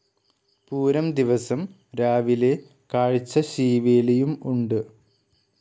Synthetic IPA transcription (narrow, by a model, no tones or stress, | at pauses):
puːɾɐmd̪iʋɐsɐm | ɾaːʋile̞ | kaːɻit͡ɕːɐɕiːʋeːlɐjumuɳɖɨ